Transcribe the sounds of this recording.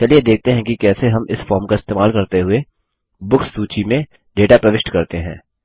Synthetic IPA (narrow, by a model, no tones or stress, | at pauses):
t͡ʃɐlijed̪eːk̚t̪eɦɛ̃kikɛːseɦɐmʔɪsfɔːɾmkaɪst̪eːmaːlkɐɾt̪eɦʊe | bʊksːuːt͡ʃimẽ | ɖeːʈapɾɐʋɪʃʈkɐɾt̪eɦɛ̃ː